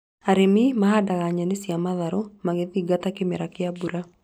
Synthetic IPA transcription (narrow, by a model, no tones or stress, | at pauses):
aɾɪmimaɦadaɣaɲanɪsɪamaðaɾomaɡeðiɡat̪akɪmɛɾakɪabuɾa